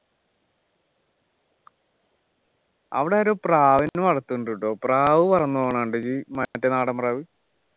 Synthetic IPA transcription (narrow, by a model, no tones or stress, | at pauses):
ɐ̰ʋiɽeoɾoːpraːʋinnumɐɽɐt̪ːuɳɖuʈːoːpraːʋɨpɐrɐnːuʋoːɳaːɳɖɨd͡ʑimɐtːenaːɽɐmpraːʋi